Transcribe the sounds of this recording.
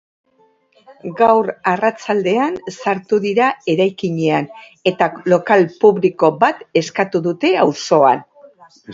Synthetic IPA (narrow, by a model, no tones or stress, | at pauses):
ɡawɾarat͡sald̪e̞ansaɾt̪uðiɾae̞ɾajkiɲe̞an | e̞t̪alo̞kalpuβliko̞bat̪e̞skat̪uðut̪e̞awso̞a̰n